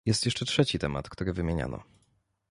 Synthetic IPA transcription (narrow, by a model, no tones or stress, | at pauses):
jɛst̪jɛʂt͡ʂɛtʂɛt͡ɕit̪ɛma̰t̪kt̪uɾɘvɘmʲjeɲa̰nɔ̰